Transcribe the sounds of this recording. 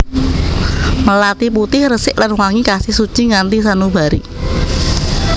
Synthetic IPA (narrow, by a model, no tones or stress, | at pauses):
məlat̪iput̪ɪhrəsɪʔlanwaŋikasɪhsut͡ʃiŋant̪is̬anubaɾḭ